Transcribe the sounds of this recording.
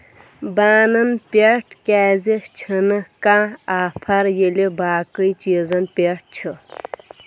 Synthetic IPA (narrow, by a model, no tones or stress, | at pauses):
baːnɐnpʲeʈʰkɛːzit͡ʃʰɨnɨkãːaːpʰɐɾjilibaːkɨjt͡ʃiːzɐnpʲeʈ̚t͡ʃʰɨ